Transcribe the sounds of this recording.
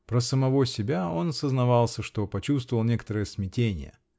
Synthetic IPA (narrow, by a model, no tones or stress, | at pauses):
pɾəsəmɐvo̞sʲɪbʲao̞nɐsəznɐvɑlˠsʲəʂt̪o̞pɐt͡ɕust̪vəvəlˠnʲe̞kət̪əɾəjəsmʲɪtʲenʲɪ̰jə̰